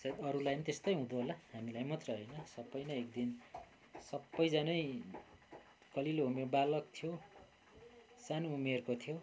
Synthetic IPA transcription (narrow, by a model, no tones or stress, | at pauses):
sʌd̪ʌɾulajnit̪est̪ʌjɦũd̪oɦolahamilajmʌt̪rʌɦʌjnʌsʌbːʌjnʌek̚d̪in | sʌbːʌjd͡zanʌj | kʌliloumerbalʌk̚t̪ʰijo | sanoumerkot̪ʰijo